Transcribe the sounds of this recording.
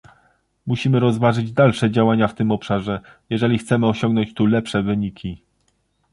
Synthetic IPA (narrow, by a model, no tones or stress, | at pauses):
muɕimɘɾɔzvaʐɘd͡ʑd̪alʂɛd͡ʑawaɲaft̪ɘmɔpʂaʐɛjɛʐɛlʲixt̪sɛmɘɔɕɔŋɡnɔɲt͡ɕt̪ulɛpʂɛvɘɲikʲʰi